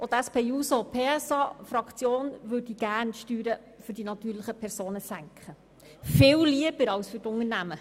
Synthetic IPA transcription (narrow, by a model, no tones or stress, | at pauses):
ʔot̪æspeːjuːsopʰeːɛsɑfɾɑkt͡sjoːnʋɵdiɡ̥æːɾnʃtyːɾə | fʏɾdinɑt̪yːɾləχəpʰɛɾsoːnəsæŋkχə | fɪːwliəb̥əɾɑwsfyɾtʊŋənæmə